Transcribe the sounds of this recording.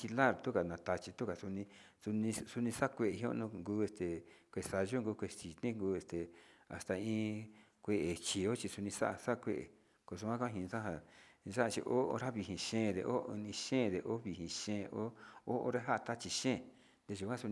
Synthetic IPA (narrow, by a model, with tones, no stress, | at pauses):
i˧la˦˨ɾt̪u˦ka˨nã˨t̪a˧t͡ʃi˧t̪u˦ka˨su˧nĩ˧ | su˧nĩ˧su˧nĩ˧sa˦˧kʷe˧˨e˨ɦĩ˧˦õ̰˦nũ˧ŋɡuː˦e˧st̪e˨kʷe˨˧sa˧ʒo˦ŋɡu˧kʷe˧˨si˨t̪nĩ˦ŋɡuː˧˦e˧st̪e˨a̰˨st̪a˨ĩː˧˦ | kʷe˧ʔe˨t͡ʃi˨o˦t͡ʃi˧su˧nĩ˧sa˦ʔsa˦˧kʷḛ˦ʔḛ˨ | ko˧˨s̬u˧kʷã˦kã˦˧ɦĩ˧sã˦ɦa˧sa˦ʔa˧t͡ʃḭ˧ʔo̰˦˧ɾa˦βi˧ɦĩ˧˨ʃẽː˦˨ðḛ˨ʔo˦ɨ˧nĩ˧ʃẽː˦˨ðe˨ʔo˦βi˨hĩ˧ʃẽː˦˧˦ʔo˦o˦o̰˧˦ɾe˦ɦa˦ʔa˧t̪a˦t͡ʃi˧ʃẽ˦˨ | nd̪e˧ʒu˧kʷã˦su˧